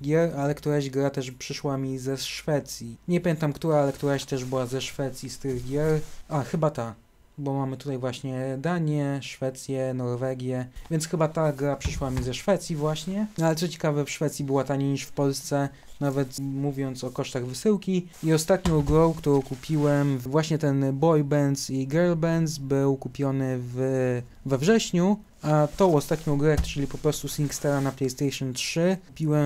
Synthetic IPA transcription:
ɡʲjɛɾalɛkt̪uɾaʑɡɾat̪ɛʂpʂɘʂwamʲizɛʂfɛt̪sʲjiɲɛpamʲjɛnt̪amkt̪uɾaalɛkt̪uɾaɕt̪ɛʐbɘwazɛʂfɛt̪sʲjist̪ɘɣɡʲjɛɾʔaxɘbat̪a | bɔmamɘt̪ut̪ajvwaɕɲɛd̪aɲjɛʂfɛt̪sʲjɛnɔɾvɛɡʲjɛvʲjɛntsxɘbat̪aɡɾapʂɘʂwamʲizɛʂfɛt̪sʲjivwaɕɲɛnalɛt̪sɔt͡ɕɛ̥kavɛfʂfɛt̪sʲjibɘwat̪aɲejɲiʂfpɔlst̪sɛ | navɛt̪muvʲjɔnt̪sɔkɔʂt̪aɣvɘsɘwkʲi | iɔst̪at̪ɲɔ̃w̃ɡɾɔ̃wkt̪uɾɔ̃w̃kupʲiwɛmvwaɕɲɛt̪ɛnbɔjbɛnt̪siɡɛɾlbɛnzbɘwkupʲjɔnɘv | vɛvʐɛɕɲu | at̪ɔɔst̪at̪ɲɔ̃w̃ɡɾɛt͡ʂɘlʲipɔpɾɔst̪usʲiŋkst̪ɛɾanaplɛjst̪ɛjʂɔntʂɘpʲiwɛm

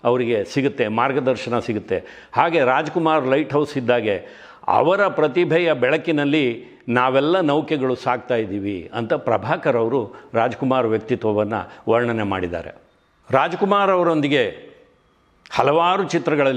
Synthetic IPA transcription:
ɐʋɐɾiɡe̞siɡut̪ːe̞maːɾɡɐd̪ɐɾʃɐnɐsiɡut̪ːe̞ | haːɡe̞ɾaːd͡ʒɐkumaːɾlɐjʈɦɐwsid̪ːaːɡe̞ | ɐ̰ʋɐɾɐpɾɐt̪ibʱɛjɐbɛɭɐkːinɐlːi | naːʋɛlːɐnɐwkɛɡɐɭusaːɡ̚t̪aːjid̪iːʋiɐ̰nt̪ɐpɾɐbʱaːkɐɾɐʋɐɾuɾaːd͡ʒɐkumaːɾʋjɐk̚t̪it̪ʋɐʋɐnːɐ̰ʋɐɾɳɐne̞ma̰ːɽid̪a̰ːɾe̞̰ | ɾaːd͡ʒɐkumaːɾɐʋɐɾo̞nd̪iɡe̞ | hɐlɐʋaːɾut͡ʃit̪ɾɐɡɐɭɐl

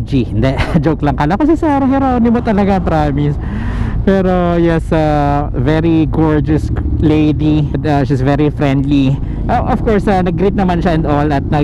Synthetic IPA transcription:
d͡ʒiɪnd̪ɛʔd͡ʒoklɐŋkɐlakɐs̬ɛsaːɾɐhɛɾawnɪmot̪ɐlɐɡapɾaːmɪs | pɛːɾojɛsavɛɾiɡoɹd͡ʒɐslejd̪id̪ɐʃsvɛɹifɾɛ̃nd̪li | ʔɐʔɔfkɔɹsɐnɐɡ̚ɡɾit̪̚nɐmanʃaɛ̃nd̪olɐt̪̚nɐ

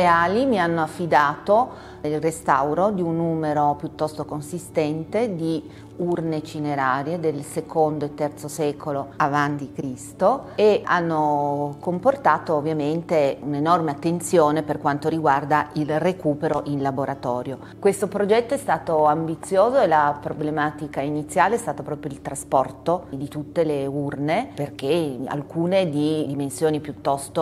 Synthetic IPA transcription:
eaːlimianːoafːid̪aːt̪o | ilrest̪awɾod̪iunːuːmeɾopjut̪ːɔst̪okonsist̪ɛnt̪ed̪i | urnet͡ʃineɾaːɾjed̪elsekʰond̪oet̪ːɛrt̪sosɛːkoloavant̪ikɾist̪oeanːokomport̪aːt̪oːvːjament̪eunenɔrmeat̪ːent̪sjoːneperkwant̪oɾiɡward̪ailrekuːpeɾoʔinlaboɾat̪ɔːɾjo | kwest̪opɾod͡ʒɛt̪ːoɛst̪aːt̪oambit̪sːjoːzoelapɾoblemaːt̪ikainit̪sːjaːleɛst̪aːt̪apɾɔːpɾjoilt̪ɾaspɔrt̪od̪it̪ut̪ːeleurneperk̟ea̰lkuːned̪id̪imensjoːnipjut̪ːɔst̪o

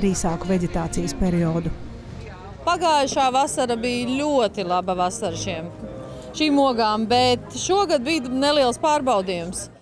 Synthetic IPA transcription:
ɾiːsaːkuvɛɟʲet̪aːt̪sijspʲɛɾiɔːd̪u | paɡaːjʃaːvasaɾabiːlʲuɔt̪ilˠabɐvasaɾʃiɛm | ʃiːmuɔɡaːmbɛt̪ʃuɔɡad̪̚bijneliɛlˠspaːɾbawd̪iːjums

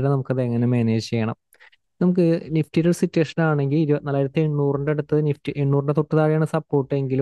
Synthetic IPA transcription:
ɾenɐmukːɐðeɐŋːɐnemeːneːd͡ʑt͡ɕejːɐɳɐm | nɐmuk̬ːɨniftiɾɐɭsitːweːʂɐnaːɳe̞ŋɡiliɾunalːaːjiɾɐt̪ːieɳːuːruɳɖeɽut̪ːɨniftiʔeɳːuːrɳɖet̪oʈːɨðaːɻijaːɳɨsɐpːo̞ːrʈːɨe̞ŋɡilu

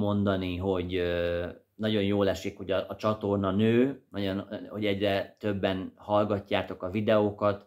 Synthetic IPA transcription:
mo̞nd̪ɒniɦo̞ɟø | nɒɟo̞njoːlɛʃikho̞ɟɒːt͡ʃɒt̪o̞rnɒnøːnɒɟonho̞ɟɛɟrɛt̪ø̞bːɛnhɒlɡɒcːaːt̪o̞kɒvid̪ɛokɒt̪

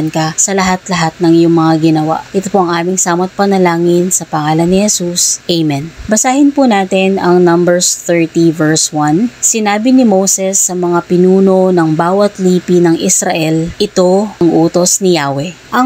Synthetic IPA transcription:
nkɐsɐlɐɦat̪lɐɦat̪̚nɐŋjʊŋmɐŋaɡɪnɐwa̰ʔʔɪt̪opoʔɐŋʔaːmɪŋsaːmɐt̪̚pɐnɐlaːŋɪnsɐpɐŋaːlɐnːɪhɛsusʔejmɛnbɐsaːhɪnpunaːt̪ɪnɐŋnɐmbɛɹst̪ɛɹt̪ivɛɹswɐnsɪnaːbinɪmowsɛsːɐmɐŋapɪnuːno̞nɐŋbaːwɐt̪liːpinɐŋʔɪsɾɐʔɛlʔɪt̪o̞ɐŋʔuːt̪o̞snɪjaːwɛʔɐ

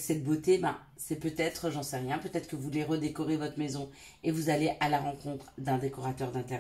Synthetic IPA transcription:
sɛt̪̚bot̪ebã̰ | sɛpøt̪ɛt̪χəʒɑ̃sɛʁjɛ̃pøt̪ɛt̪χə̥kəvuleʁəd̪ekɔʁevɔt̪χmezɔ̃ | evuzaleʔalaʁɑ̃kɔ̃t̪χd̪ɛ̃d̪ekɔʁat̪œʁd̪ɛ̃t̪ɛʁ

